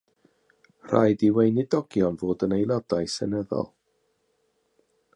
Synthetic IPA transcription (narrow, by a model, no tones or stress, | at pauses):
r̥a̰jdiwejnɪdɔɡ̥jɔnvoːdənejlˠɔdajsɛnəðɔ̰lˠ